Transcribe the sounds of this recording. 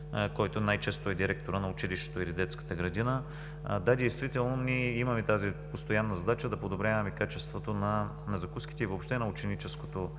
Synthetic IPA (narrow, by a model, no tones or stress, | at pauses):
kɔjt̪onajt͡ʃɛst̪oɛd̪iɾɛk̚t̪oɾənɐʊt͡ʃiliʃt̪ɛ̥t̪oilid̪ɛt̪skə̥t̪əɡɾɐd̪inə | d̪ad̪ɛjst̪vit̪ɛlˠnonʲiɛimɐmɛt̪azipost̪ojanːɐzɐd̪at͡ʃəd̪ɐpod̪obɾʲavɐmɛkat͡ʃɛst̪vot̪onɐ | nɐzɐkuski̥t̪ɛivoːpʃt̪ɛnɐʊt͡ʃɛnit͡ʃɛskot̪o